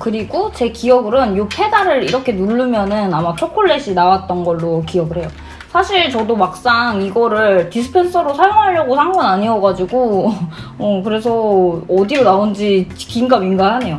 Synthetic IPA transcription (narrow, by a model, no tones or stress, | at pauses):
kɯɾiɡot͡ɕe̞kiʌɡɯɾɯnjokʰe̞daɾɯɾiɾʌkʰe̞nuɭːɯmjʌnɯnamat͡ɕʰokʰoɭːe̞ɕʰinawat̚t͈ʌnɡʌɭːokiʌbɯɭɦe̞jo | sʰaɕʰiɭt͡ɕʌdomak̚s͈aŋiɡʌɾɯɭtisʰɯ̥pʰe̞ns͈ʰʌɾosʰajoŋɦaʎːʌɡosʰaŋɡunaɲiʌɡad͡ʑiɡoː | kɯɾe̞sʰʌʌdiɾonaond͡ʑit͡ɕkiŋɡaminɡaɦane̞jo